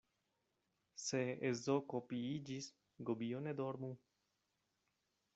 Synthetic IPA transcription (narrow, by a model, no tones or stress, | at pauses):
se̞ezokopiid͡ʒis | ɡobioned̪oɾmu